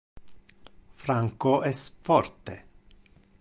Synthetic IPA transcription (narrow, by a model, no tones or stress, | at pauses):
fɾaŋkoʔɛsfɔrt̪e